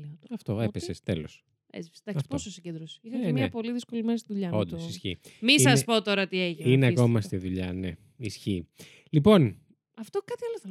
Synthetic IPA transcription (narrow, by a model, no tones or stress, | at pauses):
iɐft̪o̞epessest̪elo̰s | ḛt͡si̥fsd̪ɐksi̥pososiɲɟed̪ɾosi̥ixɐemɐpo̞liðisko̞limenɐst̪iðuʎɐod̪osisçimissɐspot̪o̞ɾɐt̪ieʝinineɐko̞mɐst̪iðuʎɐne | isçi | lipo̞n | ɐft̪okɐt̪iɐloθ